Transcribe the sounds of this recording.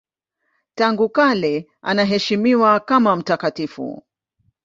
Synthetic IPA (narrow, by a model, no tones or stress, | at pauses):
taŋɡukalɛ | ʔanaɦɛʃimiwakamam̩takatifṵ